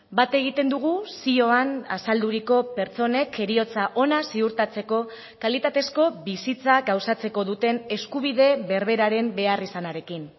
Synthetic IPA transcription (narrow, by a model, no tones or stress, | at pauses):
bat̪e̞ɣ̞it̪e̞nd̪uɣ̞usio̞ana̰sald̪uɾiko̞pe̞ɾt͡so̞ne̞kʰe̞ɾio̞t͡saʔo̞nasiuɾt̪at͡se̞ko̞ | kalit̪at̪e̞sko̞βisit͡saɡawsat͡se̞ko̞ðut̪e̞ne̞skuβ̞iðe̞βe̞ɾβe̞ɾaɾe̞mbe̞arisanaɾe̞kin